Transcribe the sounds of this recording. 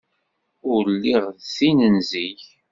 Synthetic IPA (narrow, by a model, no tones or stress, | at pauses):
ʊɾlːiʁðθinənziç